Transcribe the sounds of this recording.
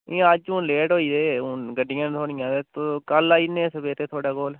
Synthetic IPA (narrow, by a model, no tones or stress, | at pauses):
ɪãəd͡ʒũːleːʈɦoːiːd̪eːʊɡəɖɪjãːnt̪ʰoːɽɪ̃jãːd̪eːt̪okəlaːiːnẽːsəbeːt̪eːt̪ʰoːɽaːkoːl